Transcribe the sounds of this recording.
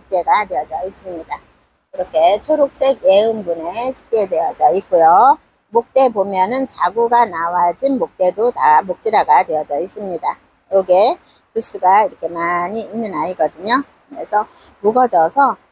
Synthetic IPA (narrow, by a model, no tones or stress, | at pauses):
ɕʰip̚k͈eɡadeʌd͡ʑais͈ɯmɲida | kɯɾʌkʰe̞t͡ɕʰoɾuk̚s͈e̞ɡe̞ɯmbune̞ɕʰi̥p̚t͈ede̞jʌd͡ʑaik͈ujo | mok̚t͈e̞bomjʌnɯnt͡ɕaɡuɡanawad͡ʑinmok̚t͈e̞dotamok̚t͡ɕ͈iɾaɡade̞ʌd͡ʑʌis͈ɯmɲida | oɡe̞ | tus͈uɡaiɾʌkʰe̞maɲiinːɯnaiɡʌdɯɲokɯɾe̞sʰʌmuɡʌd͡ʑʌsʰʌ